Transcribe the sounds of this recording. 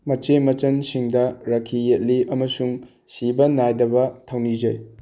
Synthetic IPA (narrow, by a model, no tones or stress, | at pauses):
mɐt͡ʃemɐt͡ʃɐnsiŋdɐɾɐkʰːijet̚liʔɐmɐsuŋ | sibɐnajdɐbɐtʰɐwnid͡ʒɐj